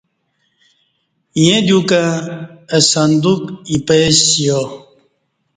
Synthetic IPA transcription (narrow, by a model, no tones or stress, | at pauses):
jẽd̪jukã | əsɐnd̪ukipesijo